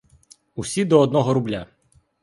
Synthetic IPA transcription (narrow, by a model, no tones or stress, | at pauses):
usʲid̪ɔːd̪nɔɦɔɾublʲa